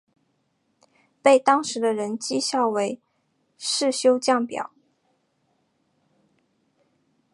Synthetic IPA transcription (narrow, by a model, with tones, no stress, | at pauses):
pe˥˩ɪt̪ɑ˥ŋʂɻ̩˧˥d̪ə˧ɻə˧˥nt͡ɕi˥ɕjɑ˥˩ʊwe˧˥ɪ | ʂɻ̩˥˩ɕjo˥ʊt͡ɕjɑ˥˩ŋpjɑ̰˨˩˦ʊ